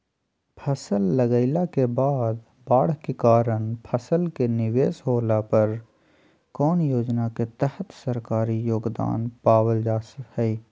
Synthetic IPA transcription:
pʰəsəlːəɡəɪlakebaːd̪ | baːɽ̤kekaːɾəɳ̃pʰəsəlkenɪʋeːsɦoːlapɐɾ | kɔːnjoːd͡ʒnaket̪əhət̪səɾkaːɾijoːɡd̪a̰ːnpaːwəld͡ʒaːsəfhɛi

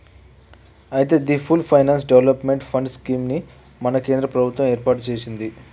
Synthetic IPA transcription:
ɐjt̪eːd̪ipʰulpʰɐjnaːns̬ɖeʋlɐpme̞ɳʈpʰɐɳɖskiːmni | mɐnɐke̞ːnd̪ɾɐpɾɐbʱut̪ʋɐ̃meːɾpaːɾʈt͡ʃe̞ːsind̪i

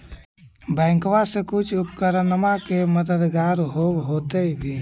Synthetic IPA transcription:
bɛ̃ːŋkwasekʊt͡ʃʰʊpkəɾənəmakeməd̪əd̪ɡaːɾɦoːbɦoːt̪eibʱi

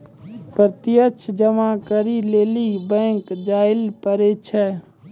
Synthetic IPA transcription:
pɾət̪ijət͡ʃʰd͡ʒəmakəɾilelibɛ̃ŋkd͡ʒaɪlpəɾɛt͡ʃʰɛ

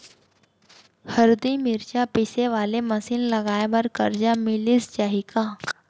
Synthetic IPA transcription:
həɾd̪imiɾt͡ɕapiseʋaleməsiːnləɡajʋəɾkəɾd͡ʑamiliːst͡ɕaɦika

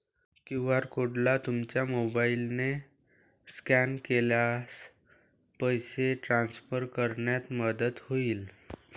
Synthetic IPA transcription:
kĩw̃ʋaɾkoɽlat̪umt͡ɕjamobailne | skænkeljas | pəjseʈɾansfəɾkəɾɳjat̪məd̪ət̪hoiːl

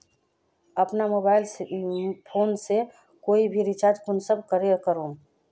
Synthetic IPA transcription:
əpnamobaːɪlspʰoːnse | koːibʱiɾit͡ʃaːd͡ʒkʊnsəb̚kəɾeɔkəɾõː

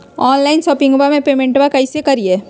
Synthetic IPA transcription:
ɔːnlaɪnsɔːpɪ̃ŋɡbamẽpeːmẽɳʈʋakɐisekɐɾieː

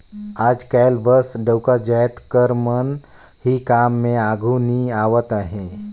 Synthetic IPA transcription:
aːd͡ʒkajlbəsɖəwkad͡ʒajt̪kəɾmən | hikaːmːẽaːɡʱuniaːʋət̪aɦẽ

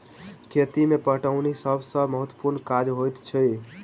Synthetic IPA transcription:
kʰet̪imepəɦʈaʊnisəbʱsə̃məɦət̪wə̥puɾnkad͡ʒɦojt̪t͡ʃʰij

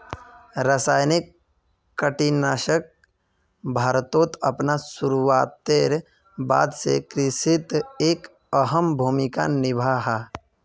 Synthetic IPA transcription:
ɾəsaːjnɪkː | əʈinaːʃək̚ | bʱaːɾt̪oːt̪ɐpnasuɾuʋaːt̪ːeɾ | ba̰ːd̪sḛkɾɪʃit̪eːk | əɦəmbʱuːmika̰nɪbʱaːɦa

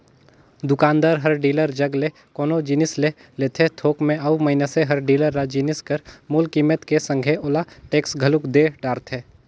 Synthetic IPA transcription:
d̪ʊkaːnd̪aːɾɦɐɾɖiːləɾd͡ʒɐɡle | koːnod͡ʒiːnɪsle | leːt̪ʰet̪ʰoːkmẽɐumɐɦɪneseɦɐɾɖiːləɾːad͡ʒiːnɪskəɾmulkiːmət̪kesə̃ŋɡʱeʔoːlaʈeːksɡʱəlʊkd̪eɖaːɾt̪ɦɛː

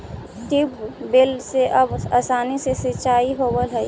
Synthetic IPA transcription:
t̪ibbelseʔɐbaːsaːnisesɪt͡ʃaːiɦoːbəlɦɛ

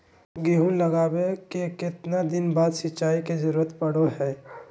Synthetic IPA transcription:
ɡiɦũnlɐɡaːbekekɪt̪nad̪ɪnbaːd̪sɪʃaːikezɐɾuːɾət̪pɐɽoɦɛː

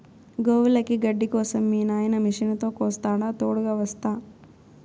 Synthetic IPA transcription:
ɡoːʋulɐkiɡɐɖːikɔːsɐmːiːnaːjɐnɐmiʂinɐt̪o̞ːkɔːst̪aːɽaːt̪oːɽuɡaːʋɐst̪aː

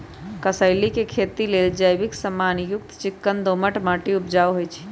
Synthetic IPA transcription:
kəsəɪlikekʰet̪ileld͡ʒəjbɪksəmːanjʊk̚t̪t͡ʃɪkːənd̪oməʈmaʈiupd͡ʒaʋɦojt͡ʃʰi̥

